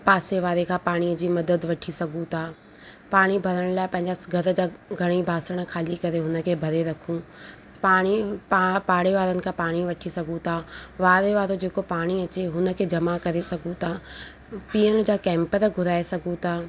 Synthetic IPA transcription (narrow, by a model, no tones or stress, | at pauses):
paːseʋaːɾekʰãːpaːɽ̃id͡ʑiːmɐd̪əd̪ʋɐʈʰisɐɡʱũt̪ʰaː | paːɽ̃ibʱɐɾəɽ̃laːɪpɐ̃ɦɪ̃ɲd͡ʑaɡʱɐɾd͡ʑaːɡʱɐɽ̃ibʱaːsəɽ̃kʰaːlikɐɾeɦʊnə̆kʰeːbʱɐɾeɾɐkʰũː | paːɽ̃ipaːpaːɽeʋaːɾənɪ̆kʰãːpaːɽ̃iʋɐʈʰisɐɡʱũt̪ʰaʋaːɾeʋaːɾod͡ʑeːkopaːɽ̃iɐt͡ɕeɦʊnə̆kʰeːd͡ʑɐmakɐɾesɐɡʱũt̪ʰaː | piːəñd͡ʑaːkɛ̃ːmpəɾɡʱʊɾaːesɐɡʱũt̪ʰaː